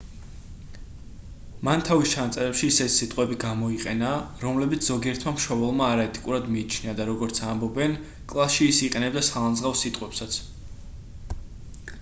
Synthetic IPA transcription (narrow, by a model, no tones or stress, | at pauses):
mant̪ʰavist͡ʃʰanat̪sʼɛɾɛpʃiːsɛt̪ʰi̥sit̪ʼqʼwɛbiɡamɔiqʼɛnaɾɔmlɛbit̪sʰz̥ɔɡiɛɾt̪ʰmamʃɔbɛlˠmaːɾaɛt̪ʼikʼuɾad̪miːt͡ʃʰniad̪aɾɔɡɔɾt̪sʰambɔbɛn | kʼlˠasʃiːsiqʼɛnɛb̚d̪asχalˠanzʁafsit̪ʼqʼwɛpsat̪sʰ